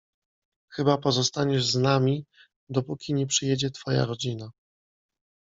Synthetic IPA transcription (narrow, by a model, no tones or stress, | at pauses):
xɘbapɔzɔst̪aɲɛʐznamʲi | d̪ɔpukʲiɲɛpʂɘjɛd͡ʑɛt̪fɔja̰ɾɔd͡ʑina